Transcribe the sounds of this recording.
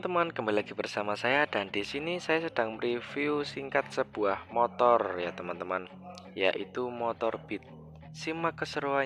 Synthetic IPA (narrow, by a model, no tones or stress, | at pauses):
ənt̪əmankəmbalilaɡibərsamasajad̥andisinisajasəd̥aŋmrifiusiŋkat̪̚səb̥uahmot̪ɔrjat̪əmant̪əman | ja̰ʔit̪umɔt̪ɔrb̥it̪̚ | simakəsəɾoa